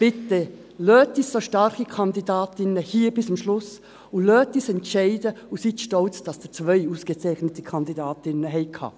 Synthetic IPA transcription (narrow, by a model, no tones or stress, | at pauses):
pɪtːɛ | løːtissoʃtɑɾχikʰɑndidɑːtɪnəhiːbɪsʊmʃlʊs | ʊløːtːiːsɛntʃɛɪdəusiːtʃtɔlt͡sd̥ɑsd̥ət͡svœɪuːsɡ̥et͡sɛɪχnətikʰɑndidɑːtɪnːəɦɛɪkʰhɑ̰ː